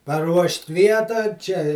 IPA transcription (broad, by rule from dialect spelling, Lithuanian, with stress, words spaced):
pɐˈruɔʃʲtʲ ˈʋʲiɛtɑː ˈt͡ʃʲɛ ɪ